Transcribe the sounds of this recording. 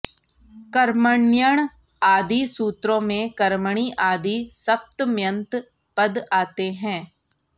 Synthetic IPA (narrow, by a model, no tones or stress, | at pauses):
kəɾməɳjəɳ̃ | aːd̪iːsuːt̪ɾõːmẽkəɾməɳ̃iːʔaːd̪iːsəp̚t̪mjə̃nt̪ | pəd̪aːt̪eɦɛ̃ː